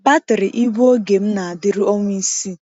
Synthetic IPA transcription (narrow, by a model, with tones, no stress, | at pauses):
ba˦tɪ˨ɾɪ˨ʔi˦ɡʷu˦o˦ɡe˨m̩˦na˨a˨dɪ˦ɾi˦o˦ŋʷ˦i˦si˦